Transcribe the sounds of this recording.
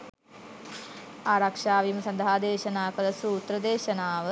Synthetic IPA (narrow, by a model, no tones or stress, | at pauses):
aːɾɐkʂaːʋimɐsɐnd̪ɐɦaːd̪eːʃɐnaːkɐlɐsuːt̪ɾɐd̪eːʃɐnaːʋə